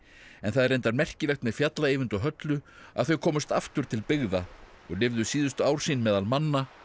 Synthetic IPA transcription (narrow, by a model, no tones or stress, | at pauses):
ɛnθaðɛɾrejnt̪aɾmɛr̥cɪlɛxt̪mɛðfjat̪laejvʏnt̪ɔɦœt̪lʏaðθœɥkʰɔːmʏst̪aft̪ʏɾ̥t̪ʰɪlpɪɣða | ɔɣlɪvðʏsiːðʏst̪ʏaːwɾ̥siːnmɛːðalmanːa